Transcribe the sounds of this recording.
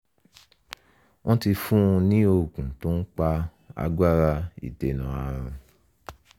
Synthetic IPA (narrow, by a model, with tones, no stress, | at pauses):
wʔɔ̃˦ti˧fũ˦˧nĩ˦o˧˨kũ˨tõ˦k͡pa˧ | a̰˨˧ɡa˦ɾa˧ḭ˨te˨nã˨a˧˨ɾ̃ũ˨